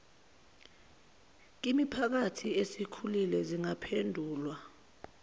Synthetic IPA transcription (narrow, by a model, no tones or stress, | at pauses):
k̬imipʰak̬atʰiesikʰulilɛziŋapʰendʱuːlwa